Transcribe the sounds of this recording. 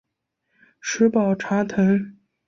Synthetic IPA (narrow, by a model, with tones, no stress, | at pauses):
ʂɻ̩˧˥pɑ˨˩ʊʈ͡ʂʰa˧˥t̪ʰə˧˥ŋ